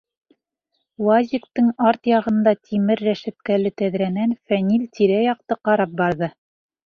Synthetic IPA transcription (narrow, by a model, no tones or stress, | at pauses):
wɑzʲikt̪ɤŋɑɾt̪jɑʁɤ̆nd̪ɑt̪ʰimɘɾːæʃæp̪̚kælɘt̪æðɾænænfænilt̪ʲiɾæjɑq̚t̪ɤqɑɾɑp̚bɑɾðɤ